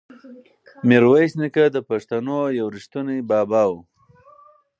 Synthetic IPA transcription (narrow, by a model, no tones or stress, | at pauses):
miɾwajsnikad̪əpaʂt̪anojawɾiʂt̪unibɑːbɑw